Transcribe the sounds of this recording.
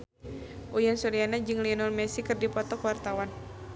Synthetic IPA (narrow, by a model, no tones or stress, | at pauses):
ʔujansɔɾianad͡ʒɨŋliɔnɔlmɛsikɨrdipɔt̪ɔkwart̪awan